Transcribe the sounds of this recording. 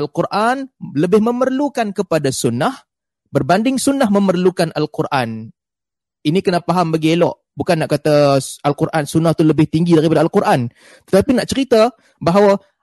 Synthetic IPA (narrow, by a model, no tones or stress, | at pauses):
alkurʔanləbɪhməmərlukankəpadasunːah | bərbandɪŋsunahməmərlukanʔalkurʔan | inikənapaɦambaɡielɔʔ | bukanːaʔkat̪aalkurʔansunaht̪uləbɪht̪iŋɡidaɾipadaalkuɾʔan | t̪ə̥t̪apinaʔt͡ʃəɾit̪a | baɦawa